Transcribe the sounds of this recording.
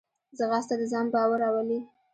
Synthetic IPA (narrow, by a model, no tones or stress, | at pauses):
zəɣast̪ad̪əzɑmbawəɾɑwəli